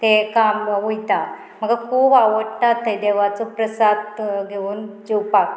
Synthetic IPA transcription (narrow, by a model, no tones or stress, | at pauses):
t̪ekamʋujt̪a | m̤əɡakʰuːbaʋəɽt̪at̪ːed̪eʋat͡sɔpɾəsad̪ɡʱeuːnd͡ʑewpak